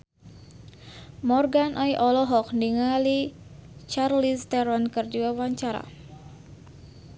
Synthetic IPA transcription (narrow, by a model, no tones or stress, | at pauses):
mɔrɡanʔɔjʔɔlɔɦɔk̚ndiŋali | t͡ʃarlist̪ɛɾɔnkərdiwawaɲt͡ʃaɾa̰